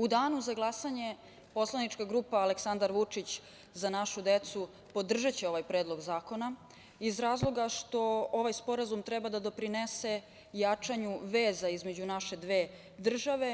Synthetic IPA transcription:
ud̪aːnuzaɡlˠasaɲe̞ | po̞slanit͡ʃkaɡɾuːpaːleksand̪aɾʋut͡ʂit͡ɕ | zanaʃud̪et̪su | po̞d̪r̩ʒat͡ɕeo̞ʋajpɾe̞ːd̪lˠo̞ɡzaːko̞na | izɾaːzlˠo̞ɡaʂt̪o̞oʋajspo̞ɾazumt̪ɾɛbad̪ad̪o̞pɾinese̞ | jat͡ʂaɲuʋe̞ːzaizmed͡ʑunaʃe̞d̪ʋe̞ː | d̪r̩ʒaʋe̞

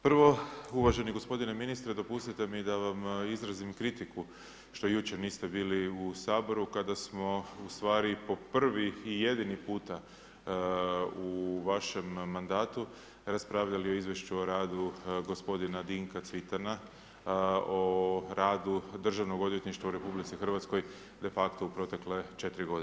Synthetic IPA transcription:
pr̩ʋo̞uʋaʒe̞niɡo̞spo̞d̪ine̞minist̪ɾed̪o̞pust̪it̪e̞mid̪aʋamizɾazimkɾit̪iku | ʃt̪o̞jut͡ɕe̞ɾniːst̪e̞biːliusaːbo̞ɾukad̪asmo̞ust̪ʋaːɾipo̞pr̩ʋiːje̞d̪inipuːt̪a | uʋaʃe̞mːand̪aːt̪u | ɾaspɾaːʋʎalio̞izʋjeʃt͡ʃuo̞ɾaːd̪uɡo̞spo̞d̪inad̪iŋkat̪sʋit̪ana | oɾaːd̪ud̪r̩ʒaʋno̞ɡo̞d̪ʋje̞t̪niʃt̪ʋauɾe̞publit̪sixər̩ʋat̪sko̞j | d̪e̞fakt̪oupɾo̞t̪e̞kle̞t͡ʃe̞t̪ɾiɡo̞d̪i

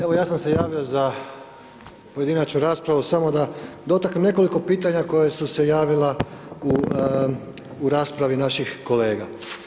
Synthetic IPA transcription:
e̞ʋo̞jaːsamse̞jaːʋio̞za | po̞je̞d̪inat͡ɕnuɾaːspɾaʋusamo̞d̪ad̪o̞t̪aknemne̞ko̞liko̞piːt̪aɲako̞jesuse̞jaːʋilau | ɾaːspɾaʋinaʃixko̞le̞ːɡa

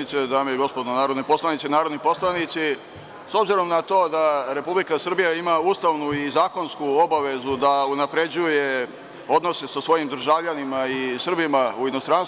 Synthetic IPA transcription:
it̪sed̪aːmijeɡo̞spod̪onaːɾod̪nepo̞slˠanit̪seinaːɾod̪nipo̞slˠanit̪si | so̞bziɾo̞mnat̪o̞ːd̪aɾe̞publikasr̩bijaimauːst̪aʋnuizaːko̞nskuo̞baʋe̞zud̪aunapɾe̞d͡ʑuje̞ | o̞d̪no̞se̞sasʋo̞jimd̪r̩ʒaːʋʎanimaisr̩bimauino̞st̪ɾans

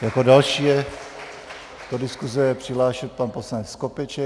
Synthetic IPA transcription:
jakodalʃiːjɛ | t̪odɪskuzɛjɛpr̝̥ɪɦlaːʃɛt̪̚panposlanɛt͡sːkopɛt͡ʃɛ

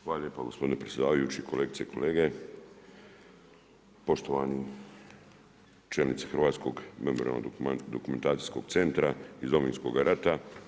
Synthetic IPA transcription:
xʋaːaʎjepaɡospod̪inepɾe̞tsʲje̞d̪aːʋajut͡ʃikʰoleːɡit̪eiko̞le̞ːɡe | po̞ʃt̪oʋani | t͡ʃelnit̪si̥xɾ̩ʋaːt̪sko̞ɡmemoɾḭa̰lno̰d̪okume̞nt̪aːt̪si̥sko̞ɡ̥t̪se̞nt̪ɾaizd̪ominsko̞̰ɡaɾʔat̪a

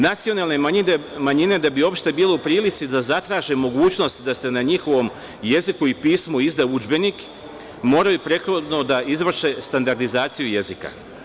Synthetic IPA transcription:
nat̪sio̞nalˠne̞aiemaɲine̞d̪abio̞pʃt̪e̞biːle̞upɾiːlit̪sid̪azat̪ɾaːʒemo̞ɡuːt͡ɕno̞st̪d̪ast̪enaɲixo̞ʋo̞m | je̞zikuipiːsmuizd̪aud͡ʒbe̞nik | mo̞ːɾajupɾe̞t̪xod̪no̞d̪aʔizʋr̩ʃe̞st̪and̪aɾd̪izaːt̪sijuje̞zika̰

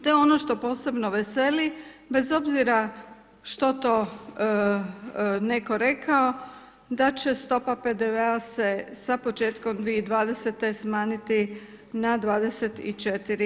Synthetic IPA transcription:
t̪oeo̞no̞ʃt̪o̞po̞ːse̞bno̞ʋese̞li | be̞zo̞bziɾa | ʃt̪o̞t̪o̞ː | ne̞ko̞ɾe̞kʰao | d̪at͡ɕe̞st̪o̞paped̪eʋeasesapo̞t͡ʃe̞ːt̪ko̞md̪ʋieid̪ʋaːd̪eset̪esmaːnit̪i | nad̪ʋaːd̪e̞set̪ḭt͡ʃet̪iɾi

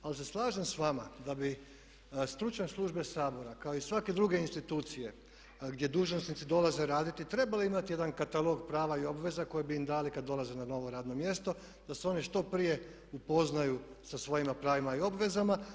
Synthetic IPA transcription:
alise̞slˠaːʒemsʋamad̪abi | st̪ɾut͡ʃaslˠuʒbesaːbo̞ɾakaoisʋake̞d̪ɾuɡe̞inst̪it̪uːt̪sije̞ | ɡd̪je̞d̪uːʒnosnit̪sid̪o̞laze̞ɾaːd̪it̪it̪ɾe̞baliimat̪ije̞d̪ankat̪alˠo̞ɡpɾaːʋaio̞bʋe̞zako̞jebiimd̪aːlikad̪ːo̞lˠaze̞nano̞ʋo̞ɾaːd̪no̞mje̞st̪o̞ | d̪̥aseo̞niʃt̪o̞pɾije̞ | upo̞znaju | sasʋo̞jimapɾaːʋimaio̞bʋe̞zama

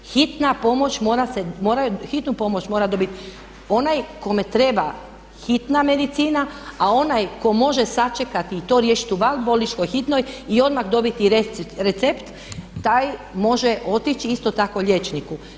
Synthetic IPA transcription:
xit̪napo̞mo̞t͡ʃmo̞ːɾasemo̞ːɾajuxit̪nupo̞mo̞t͡ʃmo̞ɾad̪o̞bit̪ | o̞najko̞me̞t̪ɾe̞ba | xit̪name̞d̪it̪siːnaao̞najko̞mo̞ʒesat͡ʃekat̪iːt̪oɾje̞ːʃi̥t̪uʋalbolit͡ʃko̞jxit̪no̞jio̞d̪maxd̪o̞bit̪iɾeɾet̪sept̪ː | ajmo̞ʒeʔo̞t̪it͡ʃiist̪o̞t̪ako̞ʎʲe̞t͡ʃniku

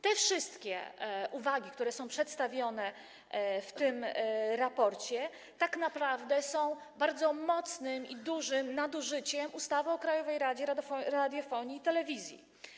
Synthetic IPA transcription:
t̪ɛfʂɘst̪kʲɛ̰ʔuvaɡʲikt̪uɾɛsɔ̃w̃pʂɛt̪st̪avʲjɔnɛ | ft̪ɘmɾapɔɾt͡ɕɛ | t̪aknapɾavd̪ɛsɔ̃w̃ | baɾd̪zɔmɔt̪snɘmid̪uʐɘmnad̪uʐɘt͡ɕɛmʔust̪avɔɔkɾajɔvɛjɾad͡ʑɛɾaɔɾad̪ʲjɔfɔɲiːt̪ɛlɛvʲizʲjḭ

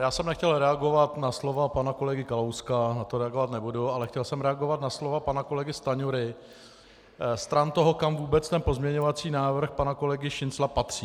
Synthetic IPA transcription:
jaːsɛmnɛxcɛlɾɛaɡo̞vat̪naslo̞vapanako̞lɛɡɪkalowskanat̪o̞ɾɛaɡo̞vat̪nɛbudualɛxcɛlsɛmɾɛaɡo̞vat̪naslo̞vapanako̞lɛɡɪst̪aɲuɾɪ | st̪ɾant̪o̞ɦo̞kamvuːbɛt͡st̪ɛnpo̞zmɲɛɲo̞vat͡siːnaːvr̩xpanako̞lɛɡɪʃɪnt͡slapat̪r̝̥iː

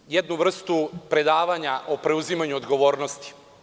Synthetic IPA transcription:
jed̪nuʋr̩st̪upɾe̞d̪aːʋaɲaʔopɾe̞uzimaɲuod̪ɡo̞ʋo̞ːɾnost̪i̥

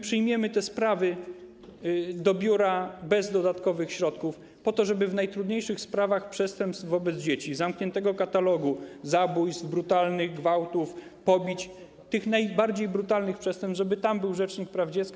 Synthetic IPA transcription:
pʂɘjmʲjɛmɘt̪ɛspɾavɘ | d̪ɔbʲjuɾabɛzd̪ɔd̪at̪kɔvɘxɕɾɔt̪kuf | pɔt̪ɔʐɛbɘvnajt̪ɾud̪ɲejʂɘxspɾavaxpʂɛst̪ɛmpst̪vvɔbɛd̪zd͡ʑet͡ɕizamkɲɛnt̪ɛɡɔkat̪alɔɡuzabujzbɾut̪alnɘɣɡvawt̪uf | pɔbʲit͡ɕ | t̪ɘxnajbaɾd͡ʑejbɾut̪alnɘxpʂɛst̪ɛmpsʐɛbɘt̪ambɘwʐɛt͡ʂɲik̚pɾavd͡ʑɛt̪ska

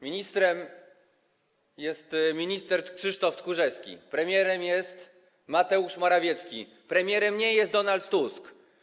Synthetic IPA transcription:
mʲiɲist̪ɾɛm | jɛst̪mʲiɲist̪ɛɾkʂɘʂt̪ɔft̪kuʐɛskʲḭpɾɛmʲjɛɾɛmjɛst̪ | mat̪ɛuʂmaɾavʲjɛt̪skʲḭ | pɾɛmʲjɛɾɛmɲɛjɛst̪d̪ɔnalt̪ːusk

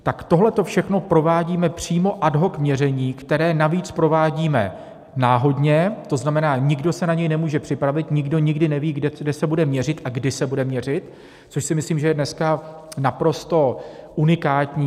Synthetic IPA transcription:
t̪akt̪o̞ɦlɛt̪o̞fʃɛxno̞pɾo̞vaːɟiːmɛpr̝̥iːmo̞ʔadɦo̞kmɲɛrɛɲiːkt̪ɛɾɛːnaviːt͡spɾo̞vaːɟiːmɛ̰ | naːɦo̞dɲɛt̪o̞znamɛnaːɲɪɡdo̞sɛnaɲɛjnɛmuːʒɛpr̝̥ɪpɾavɪt̪ɲɪɡdo̞ɲɪɡdɪnɛviːɡdɛdɛsɛbudɛmɲɛrɪt̪ʔaɡdɪsɛbudɛmɲɛr̝ɪt̪ | t͡soʃsɪmɪsliːmʒɛjɛdnɛska | napɾo̞st̪o̞ʔunɪkaːt̪ɲiː

